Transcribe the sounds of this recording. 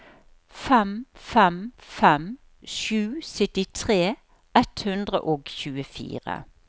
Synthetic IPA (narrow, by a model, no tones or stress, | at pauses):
fɛmfɛmfɛm | ʃʉːsʏt̪ɪt̪ʰʁeː | ʔɛt̪hʉnd̪ʁə̰ʔoːɡçʉːəfḭːʁə̰